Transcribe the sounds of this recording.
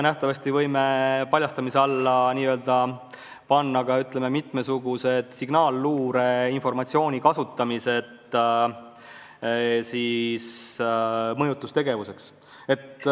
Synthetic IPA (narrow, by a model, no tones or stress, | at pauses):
enæht̪ɑvɑst̪ivɤjme̞pɑlʲjɑst̪ɑmiseɑlːɑniːøːld̪̥ɑ | pɑnːɑɡ̥ɑyt̪le̞me̞mit̪ˑme̞suɡ̥use̞d̪̥siɡ̥nɑːlːuːɾe̞info̞rmɑt̪sio̞ːnʲikɑsut̪ːˑɑmise̞t̪ | sis | mɤjut̪ˑːust̪e̞ɡe̞vuse̞ks | e̞t̪ː